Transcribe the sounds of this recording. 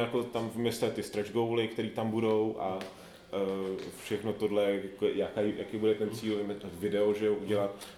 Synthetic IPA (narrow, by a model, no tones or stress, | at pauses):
jakot̪amvmɪst̪ɛt̪ɪst̪ɾɛʒɡo̞wlɪkt̪ɛɾiːt̪ambudo̞wʔa | fʃɛxno̞t̪odlɛakojakaːjjakejbudɛt̪ɛnt͡siːlvvɪdɛoʒɛoʔuɟɛlat̪